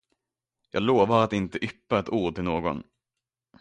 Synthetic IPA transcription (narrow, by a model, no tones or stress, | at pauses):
jɑ̰ːɡloːvaɾat̪ɪnt̪əʔʏpːaɛt̪uːɖ̚ʈ̪ɪlnoːɡɔ̰n